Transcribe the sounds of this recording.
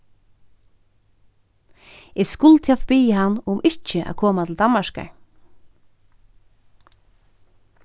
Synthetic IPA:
ɛskʊlt̪ʰjafpiːɦanːʊmɪht͡ʃɪʔa̰ðkʰɔːmat̪ʰɪld̪anmaʃka̰ɹ

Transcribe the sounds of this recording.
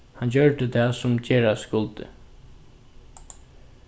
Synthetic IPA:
hɑnd͡ʑœɹɖ̪əd̪ʰɛːsʊmt͡ɕeːɹaskʊlt̪ə̰

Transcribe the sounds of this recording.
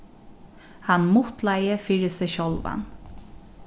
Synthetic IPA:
hanmʊt̪læɪəfiːɹəsɛɕɔlʋa̰n

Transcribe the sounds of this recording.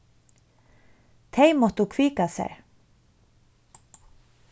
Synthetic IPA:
t̪ʰejmɔwt̪ukʰviːkasɛ̰ɹ

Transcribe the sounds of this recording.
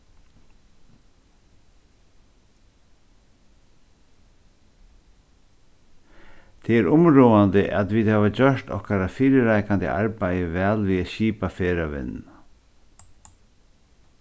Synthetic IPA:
t̪ʰɛːɛɾʊmɾuːand̪əʔa̰t̪ʋiːd̪haːʋad͡ʑœʂt̪ɔ̰hkaɾafiːɾɪɾaɪkand̪ɪ̰ʔa̰ɾpæjəʋɛːlʋiːɛɕiːpafeːɾaʋɪ̰nː

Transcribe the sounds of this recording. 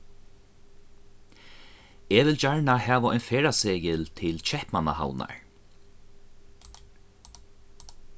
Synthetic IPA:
ɛːʋɪlt͡ɕaɹɳahɛːʋaɔjnfɛːɹaseːjɪlt̪ʰɪlt͡ɕʰɛhpmana̰ha̰wna̰ɹ

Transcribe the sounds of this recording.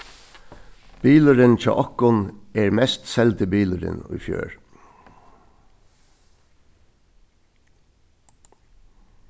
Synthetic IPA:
b̥iːləɾɪnt͡ʃʰɑ̰ːʔɔkʊnɛːɹmɛst̪sɛlt̪ʰɪbiːləɾɪ̰nʊ̰ɪfjø̰ːɹ

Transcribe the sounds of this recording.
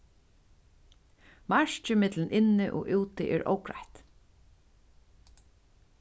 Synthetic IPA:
maɹt͡ʃɪmɪt̪lɪnʔɪnːɪʔɔ̰ːʔuːt̪ɪʔɛːɹʔo̰wkɹa̰ht̪

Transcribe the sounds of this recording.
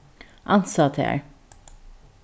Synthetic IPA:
ʔɑnsɑt̪ʰæ̰ɹ

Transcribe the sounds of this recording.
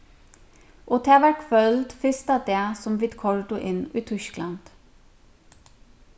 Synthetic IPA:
ʔoːt̪ʰeːʋæɹkfœld̪fɪst̪ɑd̪eːsɔmʋɪːd̪kʰɔɹd̪ʊʔɪnʔiːt̪ʰʏsklɑnd̪̥

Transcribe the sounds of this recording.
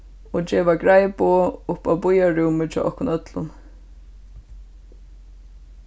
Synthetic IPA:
ɔd͡ʒɛːʋaɡɹajboːʊhpawbʊjaɹuːmɪt͡ʃʰɔ̰ːʔɔ̰hkʊnœt̪lʊ̰n

